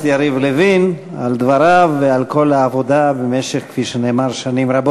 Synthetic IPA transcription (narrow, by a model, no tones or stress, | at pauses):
jaɾivlevin | ald̪vaɾavealko̞laːvod̪abemeʃeχkfiʃeneːmaɾʃanimɾabo